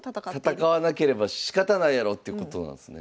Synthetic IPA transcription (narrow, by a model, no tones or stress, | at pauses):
at̪akaβanake̞ɾe̞baɕi̥kat̪anaiaɾo̞t̪ːeiɯ̟ko̞t̪o̞nã̰nesɨnḛ